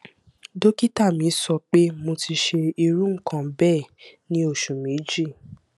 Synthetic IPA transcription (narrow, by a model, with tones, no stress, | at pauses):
do˦ki˦ta˦˨mĩ˨˦sɔ˧k͡pe˦mo˧ti˧ʃe˧i˧ɾũ˦ŋ̩˦˨kʰã˨bɛ˦˨nĩ˧˦o˦˨ʃũ˨mĩ˨˦d͡ʒi˦˨